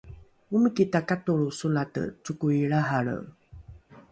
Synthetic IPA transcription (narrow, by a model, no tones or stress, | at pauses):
umikitakatuɭusulatə̰t͡sukuiɭaɦaɭə̰